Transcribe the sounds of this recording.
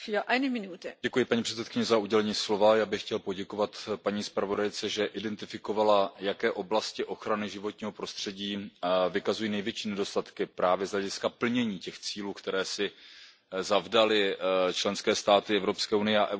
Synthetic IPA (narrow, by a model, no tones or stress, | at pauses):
fyːɐʔaɪnəminuːtəɟɛkujɪpaɲiːpr̝̥ɛtt͡sɛt̪̚kɪɲɛzauɟɛlɛɲiːslo̞vajaːbɪxcɛlpo̞ɟɛko̞vat̪paɲiːspɾavo̞dajt͡sɛʒɛʔɪdɛnt̪ɪfɪko̞valajakɛːʔo̞blascɪʔo̞xɾanɪʒɪvo̞t̪ɲiːɦo̞pɾo̞st̪r̥ɛɟiːvɪkazujiːnɛjvjɛt͡ʃiːnɛdo̞st̪at̪kɪpɾaːvjɛzlɛɟɪskapl̩ɲɛɲiːcɛxt͡siːluːkt̪ɛɾɛːsɪ | zavdalɪt͡ʃlɛnskɛːst̪aːt̪ɪɛvɾo̞pskɛːunɪjɛa̰ʔɛ